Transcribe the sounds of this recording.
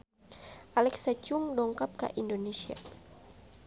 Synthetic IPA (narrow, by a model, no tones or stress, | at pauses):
ʔalɛksat͡ʃuŋdɔŋkap̚ka̰ʔindonesia̰